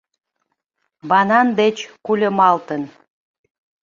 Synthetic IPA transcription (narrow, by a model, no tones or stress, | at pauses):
βɑnɑnd̪et͡ɕkulʲəmɑlt̪ən